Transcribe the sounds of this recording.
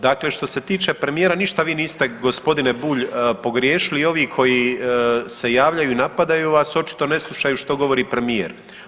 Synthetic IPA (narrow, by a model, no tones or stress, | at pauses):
d̪akle̞ʃt̪o̞se̞t̪iːt͡ʃe̞pɾe̞mijeːɾaniʃt̪aʋiːniːst̪e̞ɡo̞spo̞d̪ine̞buːʎpo̞ɡɾje̞ːʃiliːo̞ʋikʰo̞ji | se̞jaːʋʎajuinapad̪ajuʋaso̞t͡ʃi̥t̪o̞ne̞slˠuʃajuʃt̪o̞ɡo̞ʋo̞ɾiːpɾe̞mijḛɾ